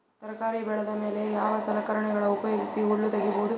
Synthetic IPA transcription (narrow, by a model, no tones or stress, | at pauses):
t̪ɐɾkaːɾibɛɭɐðɐmeːlejaːʋɐsɐlɐkɐɾɐɳɐɡɐɭɐʊpɐjoːɡisiɔɭːut̪ɐɡiboːðu